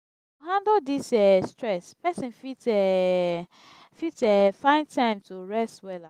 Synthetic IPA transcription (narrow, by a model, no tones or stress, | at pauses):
hãndodisɛstɹɛspɛsĩnfitɛ | fitɛfãɪ̃ndtʰãɪ̃mtuɹɛstwɛla